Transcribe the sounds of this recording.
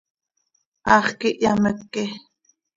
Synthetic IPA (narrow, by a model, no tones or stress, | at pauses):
ʔɑχkiʔjaməkːe